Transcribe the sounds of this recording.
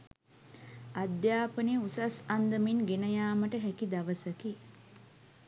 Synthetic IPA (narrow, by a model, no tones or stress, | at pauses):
ad̪jaːpəniusasand̪əminɡenəjaːməʈəɦækid̪aʋəsəki